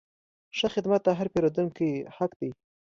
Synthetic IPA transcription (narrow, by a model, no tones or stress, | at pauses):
ʃəxɪd̪mat̪̚ːaɦaɾpeɾod̪uŋkihakd̪ij